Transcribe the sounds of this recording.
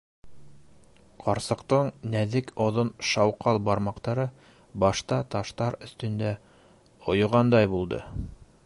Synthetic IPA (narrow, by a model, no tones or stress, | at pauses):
qɑɾsɤ̆qt̪ɤɴnæðɘkʰŏðonʃɑwqɑlˠbɑɾmɑqt̪ɑɾɤ | bɑʃt̪ɑt̪ɑʃt̪ɑɾɵ̆θt̪ɵ̆nd̪æ | ŏjŏʁɑnd̪ɑjbulˠd̪ɤ̰